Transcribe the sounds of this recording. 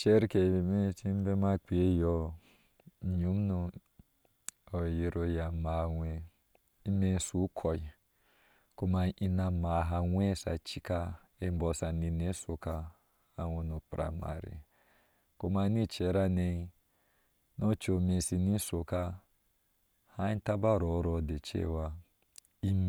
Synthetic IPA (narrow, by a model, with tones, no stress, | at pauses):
t͡ʃe˦ɾke˨me˦t͡ʃi˦be˦ma˦k͡pi˨e˦jɔ˦˨ | ɲu˨˦mnu˧ | o˨je˨ɾo˨ja˨ma˨wʷe˨ | i˦me˦n˦su˨˦kʰo˨i˨ | ko˦ma˨ʔi˦na˨ma˨ɦa˨wʷe˦˨sa̰˨t͡ʃi˦ka˦ | e˦m˦bɔ˨sa˨ni˧ne˦so˨ka˦ | a˦wo˧nu˨pɾa̰˨ma̰˨ɾḭ˨ | ko˦ma˨˦ni˦t͡ʃe˨˦ɾa˦ne˧i˦ | no˦t͡ʃo˨me˨si˧ni˦so˨ka˦ | ha˦i˦n˦ta˦ba˦˨ɾo˨˦ɾo˨de˨t͡ʃḛ˦˨wa˨ | i˦